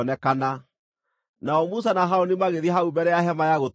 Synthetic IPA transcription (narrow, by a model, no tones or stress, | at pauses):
ɔnɛkana | naɔmus̬anaɦaɔnimaɣeðiɦaubɛɾɛjaɦɛmajaɣot